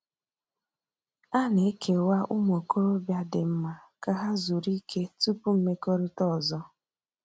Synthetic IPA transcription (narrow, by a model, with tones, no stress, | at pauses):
a˦ne˨e˦kʰe˨wa˦ʔʊ˦mo˨ko˦ɾo˦bja˦dɪ˨m̩˦ma˨ka˦ɦa˦zu˨ɾi˦kʰe˦tu˦pu˦m̩˦me˦ko˦ɾi˦tɔ˦˨zɔ˦